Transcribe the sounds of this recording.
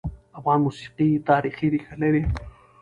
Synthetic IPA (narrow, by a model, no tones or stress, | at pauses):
awwanmusi̥qit̪aɾiχiɾixaleɾi